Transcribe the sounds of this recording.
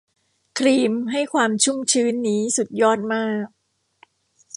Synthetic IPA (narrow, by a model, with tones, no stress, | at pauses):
kʰɾiː˧mɦa˥˩jkʰwaː˧mt͡ɕʰu˥˩mt͡ɕʰɯː˦˥nːiː˦˥su˨˩t̪̚jɔː˥˩t̪̚maː˥˩k̚